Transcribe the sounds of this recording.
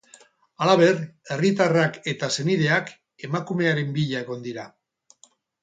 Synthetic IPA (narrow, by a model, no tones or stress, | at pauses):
alaβ̞e̞re̞rit̪arake̞t̪ase̞niðe̞ak | e̞makume̞aɾe̞mbiʎae̞ɣo̞nd̪iɾa